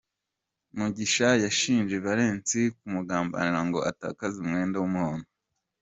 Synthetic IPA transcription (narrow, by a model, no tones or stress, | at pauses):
muɟiʃajaʃiːnd͡ʒe̞βaɾe̞ːnt͡sik̚umuɡaːmba̰niɾaŋɡo̞ata̰ːkazumŋe̞ːndawumuhoːno